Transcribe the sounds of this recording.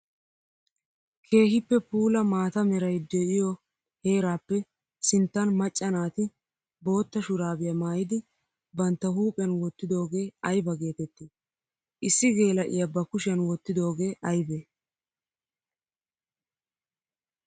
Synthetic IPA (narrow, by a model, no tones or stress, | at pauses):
kʰe̞ːhɪpːɛpuːlɐmaːt̪ɐmɛɾɐjd̪ɛʔɪjɔ | he̞ːɾaːpːɛ | sɪnt̪ːɐnmɐt͡ʃʼːɐnaːt̪ɪ | bo̞ːt̪ːɐʃʊɾaːbɪjɐmaːjɪd̪ɪ | bɐnt̪ːɐhuːpʼɐnwɔt̪ːɪd̪o̞ːɡe̞ːɐjbɐɡe̞ːt̪ɛt̪ːɪ | ʔɪsːɪɡe̞ːlɐʔɪ̰jɐbɐkʊʃɪɐnwɔt̪ːɪd̪o̞ːɡe̞ːʔɐjbe